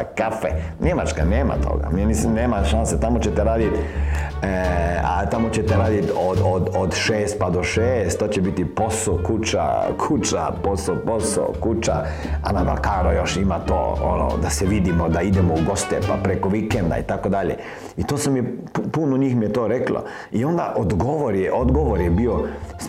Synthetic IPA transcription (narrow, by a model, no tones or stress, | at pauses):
kafe | ɲemat͡ʃka̰neːma̰t̪ʰo̰ɡa̰mimislimneːmaʃanset̪amot͡ɕet̪eɾaːd̪it̪ | a̰t̪amot͡ɕet̪eɾaːd̪it̪od̪od̪od̪ʃeːst̪̚pad̪oʃeːst̪ːoːt͡ɕebit̪ipo̞sokut͡ʃa̰kʰut͡ʃa̰posoposo̰kut͡ʃa̰ | a̰nab̪a̰kaːɾojoʃimat̪o̰ːo̰no̰d̪aseʋid̪imod̪aid̪emouɡo̞st̪ɛpa̰pɾekoʋikend̪a̰ḭt̪akod̪aʎḛ | it̪oːsamijepupunoɲiːxmijet̪oːɾeklo̰ | io̞nd̪a̰ʔod̪ɡoʋoɾjeʔod̪ɡoʋoɾjebio